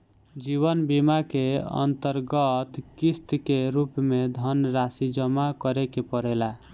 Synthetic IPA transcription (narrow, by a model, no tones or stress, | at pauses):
d͡ʒiβənbimakeə̰nt̪əɾɡət̪kist̪keɾupmed̪ʱənɾasid͡ʒəmakəɾekepəɽɛla